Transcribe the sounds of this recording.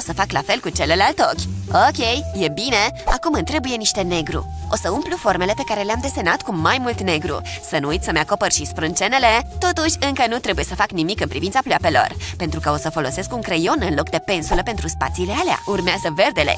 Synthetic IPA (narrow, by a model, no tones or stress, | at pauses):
osəfaklafe̞lkut͡ʃe̞le̞lalt̪o̞kʲokʲe̞jje̞bine̞akumɨnt̪ɾe̞buje̞niʃt̪e̞ne̞ɡɾṵ | o̞səumplufo̞rme̞le̞pe̞kaɾe̞leamd̪e̞senat̪kumajmult̪ne̞ɡɾṵsənuujt̪ʲsəmeako̞pərʃispɾɨnt͡ʃe̞ne̞le̞t̪o̞t̪uʃʲɨŋkənut̪ɾe̞buje̞səfaknimikɨnpɾivint̪saploape̞lo̞̰rpent̪ɾukəo̞səfo̞lo̞se̞skuŋkɾejo̞nɨnlo̞k̚d̪e̞pe̞nsuləpe̞nt̪ɾuspa̰t̪silealea̰ʔurmeazəve̞rd̪e̞le̞̰